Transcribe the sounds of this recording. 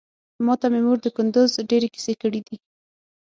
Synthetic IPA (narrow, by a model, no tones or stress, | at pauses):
mɑt̪amemuɾd̪əkʊnd̪ʊzɖeɾeki̥sekəɽid̪i